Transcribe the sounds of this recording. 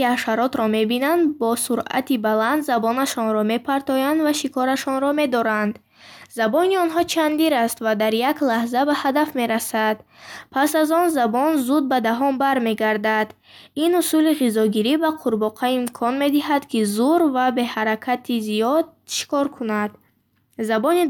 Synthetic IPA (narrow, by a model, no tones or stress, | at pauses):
iaʃaɾɔt̪ɾɔme̞binand̪bɔsuɾa̰t̪ʰibaland̪zabɔnaʃɔnɾɔme̞pʰaɾt̪ɔjand̪vaʃikʰɔɾaʃɔnɾɔme̞d̪ɔɾand̪ | zabɔniɔnɦɔt͡ʃʰand̪iɾast̪vad̪aɾjaklahzabahad̪afme̞ɾasad̪̥ | pʰasazɔnzabɔnzud̪̚bad̪aɦɔmbaɾme̞ɡaɾd̪ad̪ | inusuliʁizɔɡiɾibaqʰuɾbɔqʰaimkʰɔnme̞d̪iɦad̪kʰizuɾvabe̞haɾakʰat̪ʰizijɔd̪̚ʃi̥kɔɾkʰunad̪ | zabɔni